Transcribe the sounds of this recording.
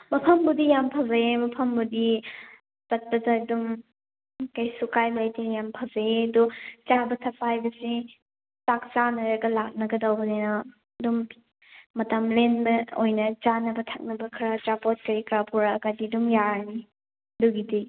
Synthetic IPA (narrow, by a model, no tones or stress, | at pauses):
mɐpʰɐmbudijampʰazajemɐpʰɐmbudi | tɐt̚pɐdɐdum | kajsukajbɐlɐjtinjampʰazajedut͡ʃabɐtʰɐpajbɐsi | tak̚t͡ʃanɐɾɐɡɐlak̚nɐɡɐdɐwbɐnenɐ | dumː | ɐtɐmlenbɐojnɐt͡ʃanɐbɐtʰɐk̚nɐbɐkʰɾɐtɾapot̚kɐɾikʰɾapuɾaːkadidumjaɾni | duɡidi